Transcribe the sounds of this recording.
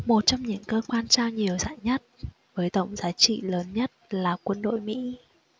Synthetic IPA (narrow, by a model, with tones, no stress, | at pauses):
mo˨˩t̚t͡ɕɔ˧wŋ͡mɲɨ̰˧˥ŋkəː˧kwaː˧nt͡ɕaː˧wɲi˨˩əwza̰ː˧˨jɲə˦˥t̚ | vəː˨˦jt̪ə̰˧˨wŋ͡mzaː˨˦t͡ɕḭ˧˨ləː˨˦nɲə˦˥t̚laː˨˩kwə˧nɗo̰˧˨jmḭ˧˥